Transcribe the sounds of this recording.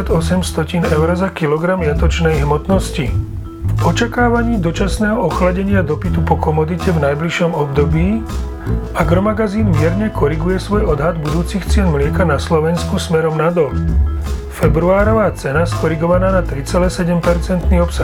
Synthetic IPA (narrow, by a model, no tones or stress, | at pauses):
aɟɔsɛmst̪ɔcinɛʊɾɔzakilɔɡɾamjat̪ɔt͡ʃnɛjɦmɔt̪nɔsci | fɔt͡ʃakaːʋaɲiːd̪ɔt͡ʃasnɛːɦɔɔxlaɟɛɲɪad̪ɔpit̪upɔkɔmɔd̪icɛvnajbliʃɔmɔbd̪ɔbiː | ʔaɡɾɔmaɡaziːnmɪɛɾɲɛkɔɾiɡujɛsʋɔjɔd̪ɦad̪bud̪uːt͡sixt͡sɪɛnmlɪɛkanaslɔʋɛnskusmɛɾɔmnad̪ɔl | fɛbɾuaːɾɔʋaːt͡sɛnaskɔɾiɡɔʋanaːnat̪ɾit͡sɛlɛːsɛɟɛmpɛɾt͡sɛnt̪niːɔpsa